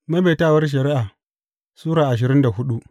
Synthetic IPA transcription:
mɐ˦beː˨taː˦˨wɐ˦rʃ̬ɐ˨ɾɪ˦ʔaː˨ | suː˦ɾaː˨ʔa˨ʃ̬ɪ˨ɾɪ˦nda˨hʊ˦ɗu˦ʔ

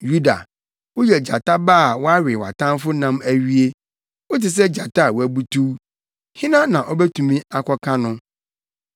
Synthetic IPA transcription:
ju˦da̰˨ | wʊ˦jɛ˨d͡ʑa̰˨ta˦baː˦˨wɔ˦a˦ɥɪ˨wa̰˨tʰã˦mfʊ˦nã˦mæ˦ɥi˦e˦ | wo˦tɪ˨s̬ɛ˦d͡ʑa˨tʰa˦˨wɔ˨æ˨bu˦tʰu˦ | hɪ̃˦nã˦nã˨ʔɔ˦bɛ˦tʰũ˨mĩ˦a˨kʰɔ˦kʰã˦nʊ̃˦

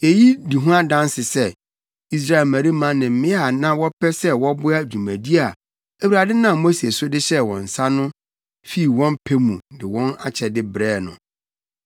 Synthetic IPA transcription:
je˨ji˦di˨ɦũ˦a˦dã˦nsɪ˨sɛ˦˨ | i˨s̬ɾa˦˨lmæ̃˨ɾi˦mã˦nɪ̃˨m̩˨mɪ̃˦a˨nã˦wɔ˦pʰɛ˦sɛ˦wɔ˦bʊ˦a˦˨d͡ʑᶣu˨mæ̃˨di˦a˨ | æ˨wu˨ɾa˨dɪ˦nã˨mo˦si˨e˨sʊ˦dɪ˦ɕɛ˦wɔ̰̃˨n̩˨sa˦nʊ̃˦ | fi˦˨wɔ̃˦mpʰe˦mũ˨dɪ˨wɔ̃˦na˨t͡ɕʰɛ˨dɪ˦bɾɛː˦˨nʊ̰̃˨

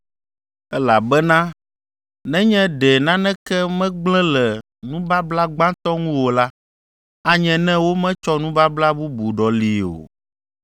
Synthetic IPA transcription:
ɛ˦la˨bɛ˦nã˦ | nɛ̃˦ɲɛ̃˦ɖɛ˨nã˦nɛ̃˦kɛ˦mɛ̃˦ɡ͡blɛ̃˦lɛ˨ | nũ˦ba˦bla˦ɡ͡bã˦t̪ɔ˦ŋũ˦wo˨la˦ | a˦ɲɛ̃˨nɛ̃˦wo˦mɛ̃˦t͡ʃɔ˦nũ˦ba˦bla˦bu˦bu˨ɖɔ˨li˨o̰˨

